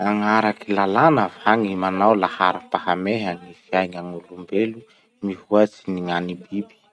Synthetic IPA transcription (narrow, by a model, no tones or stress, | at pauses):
aŋaɾakilalanəvaŋimanawlahaɾapahameɦanifiajŋaŋulumbelu | mihuat͡siniŋanibibi̥